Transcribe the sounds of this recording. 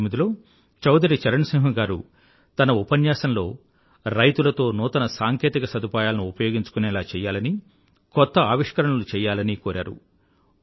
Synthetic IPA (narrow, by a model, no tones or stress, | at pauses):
mːid̪ilo̞ː | t͡ʃɐwd̪ʱɐɾit͡ʃɐɾɐɳsiŋɦɐɡaːɾu | t̪ɐnɐupɐnjaːsɐnlo̞ː | ɾɐjt̪ulɐt̪o̞ːnuːt̪ɐnɐsaːŋkeːt̪ikɐsɐd̪upaːjaːlɐnuupɐjoːɡiɲt͡ʃu̥kunɛːlaːt͡ʃɛːjaːlɐni | kɔt̪ːɐaːʋiʂkɐɾɐɳɐlut͡ʃɛːjaːlɐnikoːɾʔa̰ːɾṵ